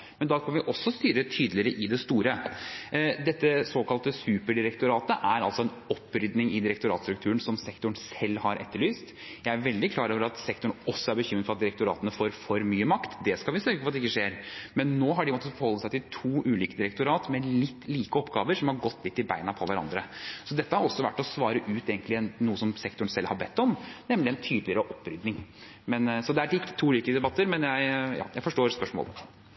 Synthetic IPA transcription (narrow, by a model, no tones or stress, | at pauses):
mɛnd̪ɑːkʰɑnʋɪʔɔsːɔst̪yːɾət̪ʰyːd̪lɪɾəʔɪd̪ɛst̪uːɾə | d̪ɛt̪ːəsoːkɑlt̪əsʉːpəɖɪɾɛkt̪ʊɾɑːt̪əʔæɾɑlsɔɛnɔpːɾʏd̪nɪŋɪd̪ɪɾɛkt̪ʊɾɑ̰ːt̪st̪ɾʉkt̪ʰʉːənsɔmsɛkt̪ʊɳ̩sɛlːhɑɾʔɛ̰t̪ːəɭyːst̪ | jæɪæɾʋɛld̪ɪkʰlɑːɾoːʋəɾɑt̪sɛkt̪ʊɳɔsːɔæɾbəçʏmɾəd̪fɔɾɑt̪d̪ɪɾɛk̚t̪ʊɾɑːt̪ənəfoːɾfɔɾmyːəmɑkt̪d̪ɛskɑlʋɪsøːɡəfɔɑt̪ɛɪkːəʂeːɾmɛnːoːɦɑɖɪmɔt̪ːəfɔɾhɔlːəsæɪt̪ɪlt̪ʰuːʔʉːliːkəd̪ɪɾɛk̚t̪ʊɾɑːt̪mɛlɪt̪ːliːkəɔpːɡɑːʋəɾʂɔmhɑɾɡɔt̪ːlɪt̪ːɪbæ̰ɪnɑpʰɔʋæɾɑ̰nd̪ɾəsɔd̪ɛt̪ːəhɑɾɔsːɔʋæ̰ʈːɔsʋɑːɾəʔʉːt̪eːɡnt̪lɪɛnnuːəsɔmsɛkt̪ʊɳ̩sɛlhɑbɛt̪ːɔmnɛmlɪɛnt̪ʰyːd̪lɪəɾəʔɔpːɾʏd̪nɪŋ | mɛnsɔd̪ɛæʈɪt̪ːt̪ʰːuːliːkəɪd̪ɛbɑt̪ːəɾmɛnjæɪjɑ̰ːjæɪfɔʂʈoːɾspœʂmo̰ːl